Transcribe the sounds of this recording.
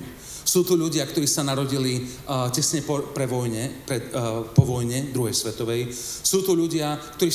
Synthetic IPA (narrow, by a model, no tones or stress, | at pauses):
suːt̪ɔʎuɟɪakt̪ɔɾiːsanaɾɔɟili | cɛsɲɛpɔpɾɛʋɔjɲɛpɾɛpɔʋɔjɲɛd̪ɾuɦɛjsʋɛt̪ɔʋɛjsuːt̪ɔʎuɟɪak̚t̪ɔɾiː